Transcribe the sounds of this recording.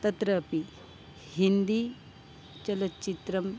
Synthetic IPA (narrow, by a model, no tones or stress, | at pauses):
t̪ɐt̪ɾɐːpi | hind̪i | t͡ʃɐlɐtːt͡ʃit̪ɾɐm